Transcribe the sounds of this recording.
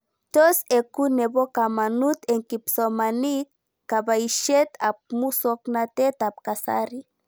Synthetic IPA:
t̪osekuneβokamanut̪eŋkipsomanikː | aβaiʃet̪ap̚musoknat̪et̪ap̚kasa̰ɾi

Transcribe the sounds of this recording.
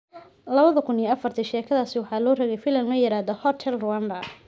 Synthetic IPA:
lɐβɐðɐkʰʊniːɐfɐrt̪ʰiʃɛːkʰɐðaːsɪwɑħɑːlɔːrɐɣɛjfɪlɐnlɔjɪɾaːd̪ɔhɔt̪ʰɛlrʊwand̪ɐ

